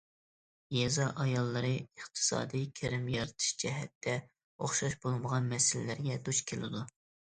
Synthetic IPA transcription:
jɛzɑʔɑjɑlˠːɨɾɨəχt̪ʰɨ̥sɑ̰ːd̪ijkʲʰɪɾɪmjɑɾɨt̪ʰɨ̥ʃd͡ʒɛɦɛt̪ʰːɛ | oχʃɑʃbolˠməʁɑnmɛsɪlɪlɪɾɡʲɛd̪uʃkʲʰelɪ̰d̪u

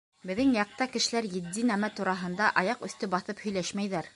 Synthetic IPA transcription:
bɘ̆ðɘŋjɑq̚t̪ɑkɘ̆ʃɘ̆læɾjɘ̆d̪ːinæmæt̪uɾɑɦɤ̆nd̪ɑʔɑjɑqɵ̆θt̪ɵbɑθɤphɵ̆jlæʃmæjðæɾ

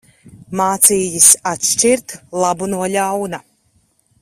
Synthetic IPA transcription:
maːt̪siːjisat̪ʃt͡ʃiɾt̪lˠabunuɔlʲawna

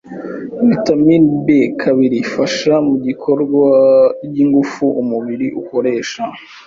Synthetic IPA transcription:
βitamiɾbekʰaβiɾifaʃamuɟikʰo̞ɾɡwaɟiŋɡufuʔumuβiɾiʔuko̞ɾe̞ːʃa

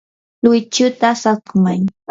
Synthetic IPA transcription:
lʊjt͡ʃʊt̪asatmaŋ

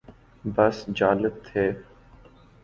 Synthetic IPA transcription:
bəsd͡ʒaːlət̪ʰːeː

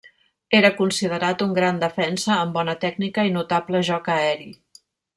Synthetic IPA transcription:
eɾəkunsið̞əɾat̪uŋɡɾand̪əfɛnsəːmbɔnət̪ɛɡnikəinut̪apləʒɔkəɛɾi

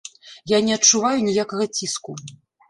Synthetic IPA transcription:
janʲɛɐt͡ʂːuvajunʲijakɐɣɐt͡sʲisku

